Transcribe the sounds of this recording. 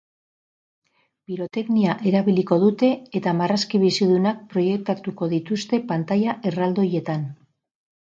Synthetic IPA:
biɾo̞t̪e̞kniaʔe̞ɾaβiliko̞ðut̪e̞ːt̪amaraskiβ̞isiðunak̚pɾo̞je̞k̚t̪at̪uko̞ðit̪ust̪e̞pant̪ajaʔe̞rald̪o̞je̞t̪an

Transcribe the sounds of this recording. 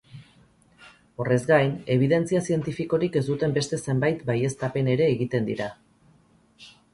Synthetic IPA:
o̞re̞zɡajne̞β̞iðe̞nt͡siasie̞nt̪ifiko̞ɾike̞zd̪ut̪e̞mbe̞st̪e̞se̞mbajt̪baje̞st̪ape̞ne̞ɾe̞ːɣit̪e̞nd̪ḭɾa

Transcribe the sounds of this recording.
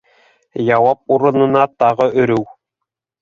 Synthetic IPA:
jɑwɑp̚uɾɤ̆nɤ̆nɑt̪ɑʁɤʔɵ̆ɾɘw

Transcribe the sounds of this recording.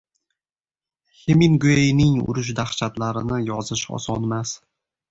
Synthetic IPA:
heminɡʊejnɪŋʊ̰ɾʊʃ̬d̪aχt͡ʃʰat̪laɾɪnɪjɒzɪʃɒ̰sɒnmas

